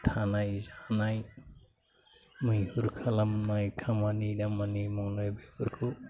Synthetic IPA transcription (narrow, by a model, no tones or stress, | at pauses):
tʰanajzanaj | mɯjhuɾkʰalamnajkʰamanidamanimɔŋlajbepɯɾkʰu